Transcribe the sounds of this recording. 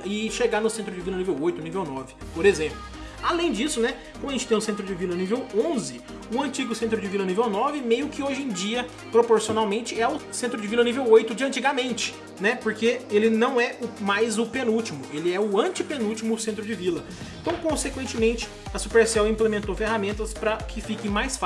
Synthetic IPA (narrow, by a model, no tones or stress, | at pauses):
ɪʃeɡaɾnʊsẽnt̪ɾʊd͡ʒɪvilɐnivewojt̪ʊnivewnɔvɪ | poɾezẽmplʊ | alẽj̃d͡ʒisʊnɛkõmdʊɐẽnt͡ʃɪt̪ẽj̃ʊsẽnt̪ɾʊd͡ʒɪvilɐnivewõzɪ | ʊ̃ɐ̃nt͡ʃiɡʊsẽnt̪̬ɾʊd͡ʒɪvilɐnivewnɔvɪmejʊkɪoʒẽj̃d͡ʒiɐ | pɾopoɾsionawmẽnt͡ʃɪɛʊsẽnt̪ɾʊd͡ʒɪvilɐnivewojt̪ʊd͡ʒɪɐ̃nt͡ʃiɡɐmẽnt͡ʃɪ̥ | nɛpoɾkeelɪnɐ̃w̃ɛʊmajzʊpenut͡ʃimʊelɪɛʊɐ̃nt͡ʃɪpẽnut͡ʃimʊsẽnt̪ɾʊd͡ʒɪvilɐ | ẽt̪ɐ̃w̃kõsekwẽnt͡ʃɪmẽnt͡ʃɪ̥ | ɐsu̥peɾsɛwĩmplemẽnt̪ofehamẽnt̪ɐspɾɐkʰɪfikẽj̃majsf